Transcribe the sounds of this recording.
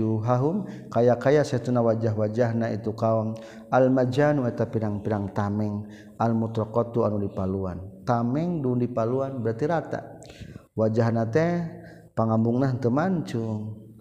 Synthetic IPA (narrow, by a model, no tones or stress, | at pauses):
uɦaɦumkajakajasɛt̪unawad͡ʒaɦwad͡ʒaɦnait̪ukaɔm | almad͡ʒanuɛt̪apiɾaŋpiɾaŋt̪amɛŋ | almut̪ɾɔkɔt̪uanudipaluant̪amɛŋdundipaluanbəɾat̪iɾat̪a̰ | wad͡ʒaɦnat̪ɛ | paŋambuŋnant̪əmant͡ʃu